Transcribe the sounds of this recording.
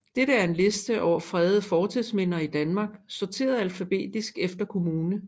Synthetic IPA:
d̥eɾəæɐe̝nle̝sd̥əʔɒʊ̰ɐfʁɛðˠəfɒːt͡sʰiðˠsmen̰ɐid̥ænmɑ̈ːɡ̥sɒɐt͡sʰe̝̰ːɐð̩ˠælfæb̥e̝̰ːd̥isɡ̥efd̥ɐkʰo̝muːnə

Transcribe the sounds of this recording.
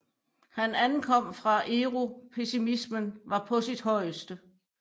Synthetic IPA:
hænænkʰɒ̽m̰fʁɑ̈ʔeːʁupʰe̝simismənʋɑ̈pʰɒ̽sid̥ɦɒ̽ɪəsd̥ə

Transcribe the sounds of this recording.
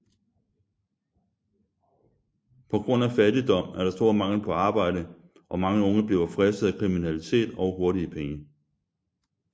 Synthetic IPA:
pʰɒ̽ɡ̥ʁɔ̽n̰æfæd̥id̥ɒ̽m̰æɐɾ̥ɑ̈sd̥o̝ɐ̰mɑ̈ŋl̩pʰɒ̽ɑ̈ːb̥ɑ̈ɪ̰dɾə | ʔɒ̽mɑ̈ŋəɔ̽ŋəb̥liʊɐfʁɛsd̥əð̩ˠækʰʁiminælit͡sʰe̝̰ːd̥ɒʊɦo̝ɐɾiəpʰeŋə

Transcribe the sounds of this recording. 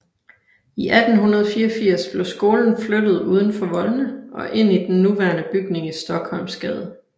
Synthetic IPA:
iʔæd̥n̩ɦunɐð̞ˠfiːɐfiɐ̰sb̥le̝ʊsɡ̥o̝ːln̩flød̥ð̞̩ˠuːð̞ˠən̩fɒ̽ʋɒ̽lnəʔɒ̽ʔe̝n̰id̥enːuʋæɐnəb̥yɡ̥ne̝ŋisd̥ɒ̽ɡ̥hɒ̽lmsɡ̥ɛːð̞ˠ

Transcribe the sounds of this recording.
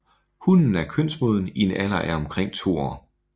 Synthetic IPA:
hunn̩æɐkʰøn̰smoð̞ˠn̩ienælɐʔæɐɒ̽mkʰʁeŋ̰t͡sʰo̝̰ːɒ

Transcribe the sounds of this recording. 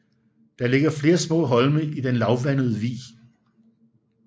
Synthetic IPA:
d̥ɑ̈le̝ɡ̥ɐfle̝ːɐsmɔ̰̽ːɦɒ̽lməid̥enlɑ̈ʊʋænəð̞ˠəʋḭː

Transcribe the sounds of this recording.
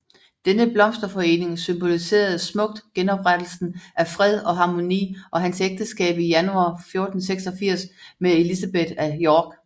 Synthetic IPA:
d̥enəb̥lɒ̽msd̥ɐfɒ̽e̝̰ːne̝ŋsymb̥o̝lise̝̰ːɐð̞̩ˠsmɔ̽ɡ̥̚d̥ɡ̥enɒ̽b̥ʁad̥l̩sn̩ʔæfʁɛð̞̰ˠɒ̽ɦɑ̈mo̝nḭːʔɒ̽ɦænseɡ̥̚d̥əsɡ̥ɛ̰ːb̥ijænuɑ̰̈ːfjo̝ɐd̥n̩seɡ̥sɒ̽fiɐ̰smee̝lisæb̥ed̥æjɒːɡ̥

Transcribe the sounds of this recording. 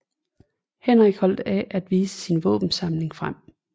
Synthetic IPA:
hen̰ʁeɡ̥hɒ̽l̰d̥æʔæd̥ʋiːsə̥sinʋɔ̰̽ːb̥n̩sɑ̈mle̝ŋfʁam̰

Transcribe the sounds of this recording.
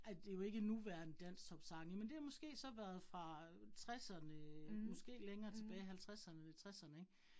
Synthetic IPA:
æd̥e̝jo̝e̝ɡ̥ənuʋæɐnəd̥æn̰st͡sʰɒ̽b̥sɑ̈ŋəmend̥e̝hɑmɔ̽sɡ̥e̝̰ːsɒ̽ʋæːɐð̞̩ˠfʁɑ̈t͡sʰʁasɐnəmɔ̽sɡ̥e̝̰ːleŋɐːt͡sʰe̝b̥ɛːɪɦælt͡sʰʁasɐnət͡sʰe̝t͡sʰʁasɐnəeɡ̥

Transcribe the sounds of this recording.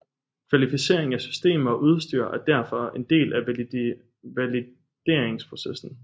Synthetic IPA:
kʰʋælifise̝ɐ̰e̝ŋ̩æsy̥sd̥e̝̰ːmɐɒʔuð̞ˠsd̥y̰ɐ̰ʔæɐd̥æɐ̰fɒ̽e̝nd̥e̝̰ːlʔæ | ʋæli | d̥e̝ɐ̰e̝ŋspʰʁo̝sesn̩

